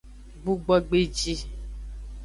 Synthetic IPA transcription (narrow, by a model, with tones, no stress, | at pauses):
bu˦ɡ͡bɔ˦ɡ͡be˦d͡ʒi˦